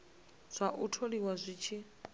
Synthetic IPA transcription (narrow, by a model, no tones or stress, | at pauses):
z̥ʷaʔutʰoɺiwazʷit͡ʃʰi